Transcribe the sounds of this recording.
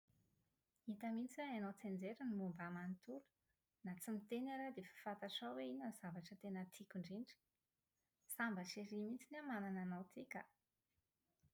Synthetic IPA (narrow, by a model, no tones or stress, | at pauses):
it̪əmint͡siweanowt͡send͡zeɾənimumbamant̪uɾ̥ | nat͡simit̪enaɾad̪efḁfat̪aʈ͡ʂawweiɲanz̥avaʈ͡ʂət̪enət̪ʰikʲuɳɖ͡ʐiɳɖ͡ʐi̥ | sambaʈ͡ʂeɾimint͡sinamanananawt̪ikʲə̰